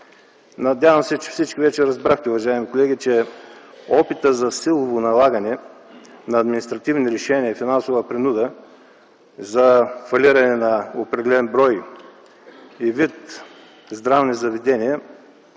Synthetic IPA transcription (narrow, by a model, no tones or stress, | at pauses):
nɐd̪ʲjavɐmsɛt͡ʃɛ̥fsit͡ʃkivɛt͡ʃɛɾɐzbɾaxt̪ɛʊvɐʒaɛmikolɛɡʲit͡ʃɛ | ɔpit̪əzɐsilˠovonɐlˠaɡɐnɛ | nɐːd̪minist̪ɾɐt̪ivniɾɛʃɛniəfinansovəpɾinud̪ə | zɐfɐliɾɐnɛnɐopɾɛd̪ɛlɛnbɾɔj | ivit̪ | zd̪ɾavnizɐvɛd̪ɛniɛ